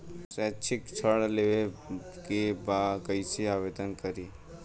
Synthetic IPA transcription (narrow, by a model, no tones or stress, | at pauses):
sɛt͡ʃʰikt͡ʃʰəɽleʋekebakəisiaʋed̪ənkəɾiː